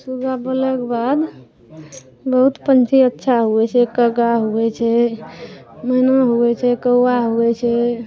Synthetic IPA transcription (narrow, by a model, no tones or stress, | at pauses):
suɡʱabəlɛkebad̪ | bəɦut̪pənt͡ʃʰiətːʃʰaɦoɛt͡ʃʰɛkəɡaɦoɛt͡ʃʰɛ | mənaɦoɛt͡ʃʰɛkəwaɦoɛt͡ʃʰɛ